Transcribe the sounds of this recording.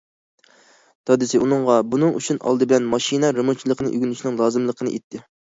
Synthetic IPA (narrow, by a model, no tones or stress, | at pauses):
t̪ʰɑd̪ɨsɪʔunɨŋʁɑbunɨŋṵt͡ʃʰunʔɑ̰lˠd̪ɨbɪlɛnmɑʃinɛɾɨmot͡ʃʰilˠəqʰənɨ̰ʔyɡʲynyt͡ʃinɪŋlˠɑːzɨmlˠəqʰənɨ̰ʔet̪ʰːɪ